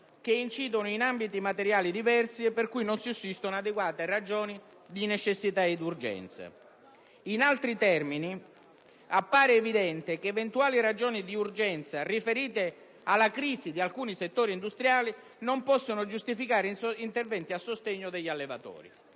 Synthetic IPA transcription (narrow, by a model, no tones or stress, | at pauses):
k̟eint͡ʃiːd̪onʊinambit̪imat̪eɾjaːlid̪ivɛrsiepːerkujnonsiusːist̪onad̪eɡwaːt̪erad͡ʒoːni | d̪inet͡ʃesːit̪aed̪urd͡ʒɛ̰nt̪sa̰ | inalt̪ɾit̪ɛrmini | apːaːɾeːvid̪ɛnt̪ekeːvent̪uaːlirad͡ʒoːnid̪iurd͡ʒɛnt̪sarifeɾiːt̪e | alːakɾiːzid̪ialkuːniset̪ːoːɾind̪ust̪ɾjaːli | nompɔsːonʊd͡ʒust̪ifikaːɾint̪ervɛnt̪iasːost̪eɲːʊd̪eʎːalːevat̪ɔ̰ːɾḭ